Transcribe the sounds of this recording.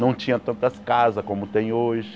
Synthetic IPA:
nɐ̃w̃t͡ʃĩɲɐ̃t̪ɐ̃nt̪ɐskazɐskõmʊt̪ẽj̃oʒɪ

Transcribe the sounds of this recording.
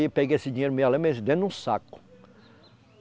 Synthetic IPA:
ipeɡejesɪd͡ʒĩɲejɾʊmejalẽmezd̪ẽnd̪ũsa̰kʊ̥

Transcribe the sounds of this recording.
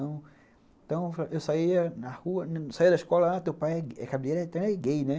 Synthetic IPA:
ɐ̃w̃ | ẽt̪ɐ̃w̃fʔewsaiɐnɐhuɐnsaiɐd̪ɐiskɔlɐat̪ewpajɛɛ̰kabileɾɛt̪ɐ̃w̃ɛɡejnɛ

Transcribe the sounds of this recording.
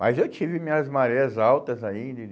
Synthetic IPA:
mɐzewt͡ʃivɪmĩɲɐzmaɾeɐzawt̪ɐzaĩd̪ɐ

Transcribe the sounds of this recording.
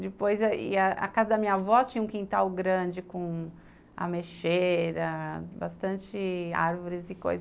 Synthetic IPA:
d͡ʒɪpojzɐɪ̰ɐɐ̰kazɐd̪ɐmĩɲɐvɔt͡ʃĩɲɐũkĩnt̪awɡɾɐ̃d͡ʒɪkõ | ɐ̰meʃeɾɐba̰st̪ɐ̃t͡ʃɪa̰ɾvoɾɪzɪko̰jz

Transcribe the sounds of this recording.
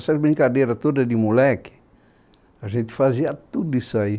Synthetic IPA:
saɾbenikadeɾat̪odadimulɛki̥ | azet̪i̥faziat̪ːudisaj

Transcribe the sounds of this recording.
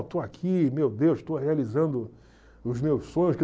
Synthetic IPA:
t̪oakʰimewd̪ewsʃt̪oɦealizɐ̃nd̪ʊ | ʊzmewssõɲʊskɪ

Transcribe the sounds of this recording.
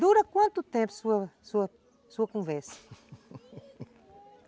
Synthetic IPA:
d̪uɾɐkwãnt̪ut̪ɛ̃mpu̥suɐsuɐ | suɐkɔ̃vɛɾsɐ̥

